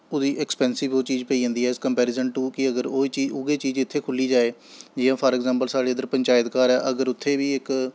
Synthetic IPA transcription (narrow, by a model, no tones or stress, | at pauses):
ʊd̪iːʔɛkspɛːnsɪʋoːt͡ʃiːd͡ʒpəiːə̃ːnd̪iːɛːɪskəmpɛːɾɪːzənʈʊkɪəɡəɾoːiːt͡ʃiʊɡeːt͡ʃiːd͡ʒɪt̪ʰːeːkʰʊliːd͡ʒaːeːd͡ʒɪjãːpʰəːɾɛɡzãːmpəlsaːɽeːəd̪əɾpəɲt͡ʃaːjt̪kaːɾɛːʔəɡəɾʊt̪ʰːeːʋiːɪk